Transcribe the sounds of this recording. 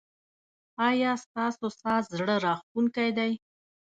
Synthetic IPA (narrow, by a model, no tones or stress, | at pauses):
ɑjɑst̪ɑsosɑzɽəɾɑxt̪uŋkajd̪aj